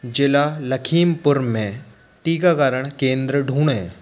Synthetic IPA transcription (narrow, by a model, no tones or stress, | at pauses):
d͡ʒelalɐkʰiːmpʊɾmẽ | ʈiːɡakaːɾəɽ̃kẽːnd̪ɾəɖʱuːɳẽː